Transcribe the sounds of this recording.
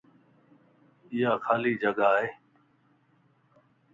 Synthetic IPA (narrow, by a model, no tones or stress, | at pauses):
ɪjaːxʰaːliːd͡ʒəɠaːɦeː